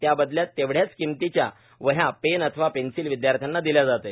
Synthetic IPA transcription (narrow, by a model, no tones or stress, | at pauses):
t̪jabəd̪ljat̪ːeʋɽjat͡skimt̪it͡ɕja̰ | ʋəɦjapenət̪ʰəʋapensilʋid̪jaɾt̪ʰjanːad̪iljad͡zat̪əj